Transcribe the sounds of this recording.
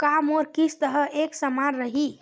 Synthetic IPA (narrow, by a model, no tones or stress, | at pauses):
kamoɾkisʰt̪əɦəeksəmanɾəɦi